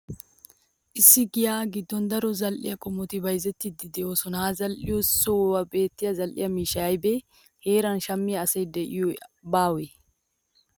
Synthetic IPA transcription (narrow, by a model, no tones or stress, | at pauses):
ʔɪsːɪɡɪjaːɡɪd̪ːɔnd̪ɐɾɔzɐlʔɪ̰jɐkʼɔmɔt̪ɪbɐjzɛt̪ːɪd̪ɪd̪ɛoːsɔnaːzɐlʔɪ̰jɔsɔwɐbe̞ːt̪ːɪjɐzɐlʔɪ̰jɐmiːʃɐjɐjbeː | heːɾɐnʃɐmːɪɐːsejd̪ɛʔɪ̰jubaːwɛ